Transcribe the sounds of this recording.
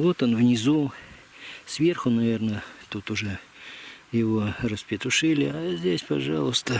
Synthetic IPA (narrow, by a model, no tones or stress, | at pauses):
vo̞t̪onvnʲɪzu | svʲerxʊnɐvʲe̞rnət̪ut̪ʊʐɛ | jɪvo̞rəspʲɪt̪ʊʂɨlʲɪazʲdʲesʲpɐʐɑlˠʊst̪ə